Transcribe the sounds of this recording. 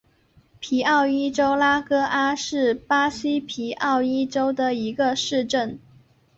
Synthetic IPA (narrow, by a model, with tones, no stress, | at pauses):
pʰi˧˥ɑ˥˩ʊi˥ʈ͡ʂo˥ʊla˥kɤ˥a˥ʂɻ̩˥˩pa˥ɕi˥pʰi˧˥ʔɑ˥˩ʊi˥ʈ͡ʂo˥ʊd̪ə˨i˧˥ɡə˧ʂɻ̩˥˧ʈ͡ʂə˥˩n